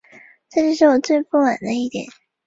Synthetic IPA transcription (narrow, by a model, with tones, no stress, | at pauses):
ʈ͡ʂɤ˥˧t͡ɕjo˥˧ʂ̬ɻ̩˥˩wɔ˨˩t͡swe˥˧ɪpu˥˩ma˨˩nd̪ə˦i˥˩t̪jɛ̰˨˩˦n